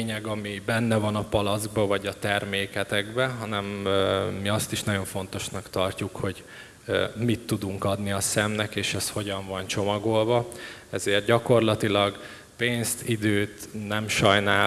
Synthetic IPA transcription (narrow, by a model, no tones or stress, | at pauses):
ɲɛɡɒmibɛnːɛvɒnɒpɒlɒzɡ̚bɒvɒɟɒt̪ɛrmeːkɛt̪ɛɡbɛɦɒnɛmː | iɒst̪iʃnɒɟo̞ɱfo̞nt̪o̞ʃnɒkt̪ɒrcukho̞ɟ | mit̪ːud̪uŋkɒd̪niɒsɛmnɛkeːʃɛsho̞ɟɒɱvɒnt͡ʃo̞mɒɡolvɒɛzeːrt̪̚ɟɒko̞rlɒt̪ilɒɡ | peːnst̪id̪øːt̪nɛmʃɒjnaː